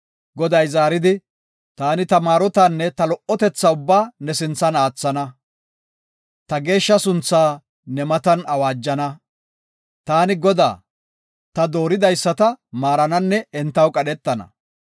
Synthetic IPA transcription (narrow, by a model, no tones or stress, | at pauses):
ɡɔd̪ɐjzaːɾɪd̪ɪ | t̪aːnɪt̪ɐmaːɾɔt̪anːɛt̪ɐlɔʔɔt̪ɛt͡sːaʊbːaːnɛsɪnt͡sːɐnaːt͡sːɐnɐ | t̪ɐɡe̞ːʃːɐsʊnt͡sːaː | nɛmɐt̪ɐnɐwaːd͡ʒːɐnɐ | t̪aːnɪɡɔd̪a̰ː | t̪ɐd̪o̞ːɾɪd̪ɐjsːɐt̪ɐmaːɾɐnɐnːɛɛnt̪ːɐwkʼɐɗɛt̪ːɐnɐ̰